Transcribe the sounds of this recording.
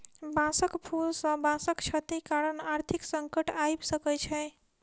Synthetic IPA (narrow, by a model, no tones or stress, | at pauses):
bãsəkpʰulsə̃bãsəkt͡ʃʰət̪ikaɾənaɾt̪ʰiksəŋkəʈajbsəkɛt͡ʃʰɛ